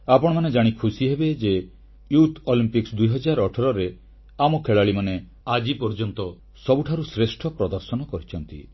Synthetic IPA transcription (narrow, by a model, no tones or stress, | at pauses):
apɔɽ̃ɔmaned͡ʒaɽ̃ikʰusiɦebed͡ʒe | jut̪ʰolimpiksd̪ujɦɔd͡ʒaɾɔʈʰɔɾɔɾe | amɔkʰeɭaɭimane | ad͡ʒipɔɾd͡ʒɔnt̪ɔ | sɔbuʈʰaɾusɾesʈʰɔpɾɔd̪ɔɾsɔnɔkɔɾit͡ʃʰɔnt̪ḭ